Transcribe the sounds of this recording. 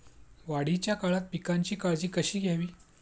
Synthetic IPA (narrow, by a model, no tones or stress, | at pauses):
ʋaɽ̤it͡ɕjakaɭat̪̚pikaɲt͡ɕiːkaɭd͡ʑiːkəɕiːɡʱjaʋiː